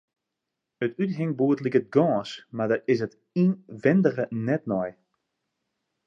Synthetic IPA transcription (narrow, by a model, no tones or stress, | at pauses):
ətytɦɪŋbuːətlikət̚ɡɔːsmadəɪsət | inʋɪndərənɛtnɔj